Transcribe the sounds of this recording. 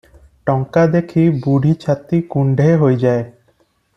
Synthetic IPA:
ʈɔŋkad̪ekʰibuɖʱit͡ʃʰat̪ikuɳɖʱeɦojd͡ʒae

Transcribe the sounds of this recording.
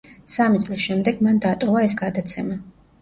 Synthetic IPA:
samit̪sʼlisʃɛmd̪ɛɡmand̪at̪ʼɔvaɛsɡad̪at̪sʰɛma

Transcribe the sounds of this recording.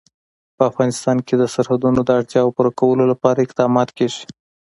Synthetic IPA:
pəafɣɑnɪst̪ɑnked̪əsaɾhad̪unod̪əaɽt̪jɑwpəɾakawəlolapɑɾaɪqd̪ɑmɑt̪keʒi̥

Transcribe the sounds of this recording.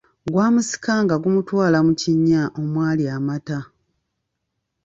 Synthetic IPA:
ɡwaːmusi̥kaŋɡaɡumutwaːlamuciɲːaʔomwaːliamata

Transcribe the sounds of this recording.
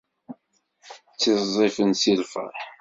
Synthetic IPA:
t͡sːɪzˤefənsilfə̰

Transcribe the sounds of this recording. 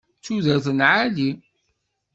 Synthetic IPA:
t͡sːuðəɾθənʕali

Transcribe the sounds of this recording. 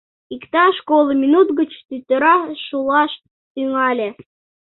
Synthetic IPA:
ikt̪ɑʃkolˠəmʲinut̪ɡət͡ɕt̪yt̪ʲɘ̆ɾɑʃulˠɑʃ | t̪yŋɑlʲe

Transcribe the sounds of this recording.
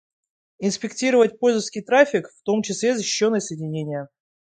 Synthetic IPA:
ɪnspʲɪktʲiɾəvət̚ʲpolʲzəfskʲijt̪ɾafʲɪkft̪o̞mt͡ɕɪslʲezəɕɪ̥ɕːo̞nːɨjəsəjɪdʲɪnʲenʲɪjə

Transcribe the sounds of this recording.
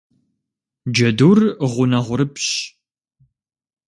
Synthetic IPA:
d͡ʒɐduːrʁʷʊnɐʁʷʊɾɨpɕ

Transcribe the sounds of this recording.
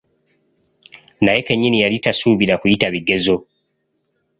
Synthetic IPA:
naje̞keɲːinijalitasuːβiɾakujitaβiɡe̞zo̞

